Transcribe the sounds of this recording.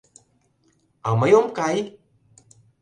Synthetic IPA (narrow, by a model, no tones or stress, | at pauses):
awmajomkaj